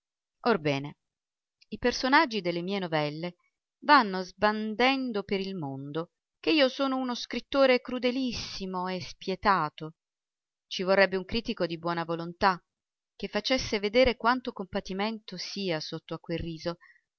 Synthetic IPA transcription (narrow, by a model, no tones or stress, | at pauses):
orbɛːne | ipersonad͡ʒːid̪elːemiːenovɛlːe | vanːozband̪ɛnd̪opeɾilmond̪o | k̟eiːosoːnounoskɾit̪ːoːɾekɾud̪elisːimoespjet̪aːt̪o | t͡ʃivorːɛbːeuŋkɾiːt̪ikod̪ibwɔːnavolont̪a | k̟ːefːat͡ʃesːeved̪eːɾekwant̪okompat̪iment̪osiːasot̪ːoakːwelrːiːzo